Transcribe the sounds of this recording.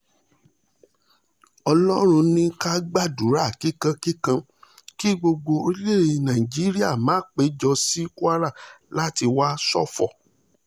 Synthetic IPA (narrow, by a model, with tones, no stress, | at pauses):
ɔ˧lɔ˦ɾ̃ũ˧nĩ˧ka˦ɡ͡ba˦˨du˨˦ɾa˦˨ki˦kã˧ki˦kã˧ | ki˦ɡ͡bo˧ɡ͡bo˧o˧ɾi˦le˦˨ɾe˧nã˨ĩ˨d͡ʒi˦ɾi˦a˦˨mãː˨˦k͡pe˨˦d͡ʒɔ˧si˦ku˦a˦ɾa˦˨la˦ti˧wa˦sɔ̰˦fɔ˨